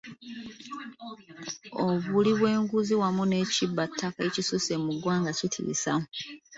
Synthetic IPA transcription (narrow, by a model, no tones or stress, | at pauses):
oβuliβwe̞ːŋɡuziwamune̞cibːatʰːakaicisuse̞muɡwaːŋɡacitʰḭsamu